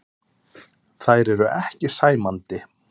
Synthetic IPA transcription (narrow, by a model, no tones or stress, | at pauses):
θajɾɛɾʏʔɛhcɪsaːjmant̪ɪ